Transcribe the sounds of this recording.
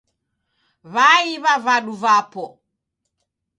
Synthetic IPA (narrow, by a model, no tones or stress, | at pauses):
βaiβavaɗuvapɔ